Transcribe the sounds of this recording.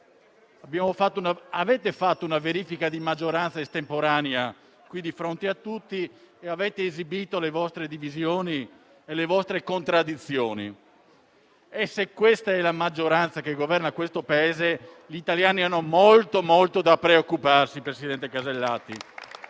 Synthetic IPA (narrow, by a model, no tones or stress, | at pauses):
abjaːmofat̪ːounaavɛːt̪efat̪ːounaveɾiːfikad̪imad͡ʒːoɾant̪saest̪empoɾaːnea | kwid̪ifɾont̪eat̪ːut̪ːieavɛːt̪eːzibiːt̪olevɔst̪ɾed̪ivizjoːni | elevɔst̪ɾekont̪ɾad̪ːit̪sːjoːnḭ | esekwest̪aɛlamad͡ʒːoɾant̪sakeɡovɛrnakwest̪opaeːze | ʎit̪aljaːnianːomolt̪omolt̪od̪apɾeokːuparsipɾesid̪ɛnt̪ekazelːaːt̪ːi